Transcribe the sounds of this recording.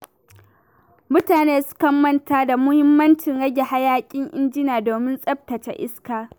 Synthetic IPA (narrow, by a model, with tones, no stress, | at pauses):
mʊ˦taː˨neː˦sʊ̥˦kɐ˦mːɐ˦ntaː˦da˨mʊ˦hɪ˦mːɐ˦nt͡ʃɪ˨ŋɽɐ˦ɡʲe˨ha˦jaː˦kʲʼɪ˦ŋʔɪ̰˦nd͡ʒɪ˦naː˨doː˨mɪ˦nsʼɐ˦b̚tɐ˨t͡ʃḛ˦ʔɪ˦skaː˨